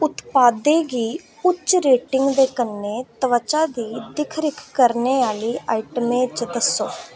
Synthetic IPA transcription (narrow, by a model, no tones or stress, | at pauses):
ʊt̪paːd̪eːɡiː | ʊt͡ʃːɾeːʈɪ̃ŋɡd̪eːkənːeːt̪əʋət͡ʃaːd̪iːd̪ɪkʰɾɪkʰkːəɾneːaːliːaːiʈəmẽːt͡ʃd̪əsõː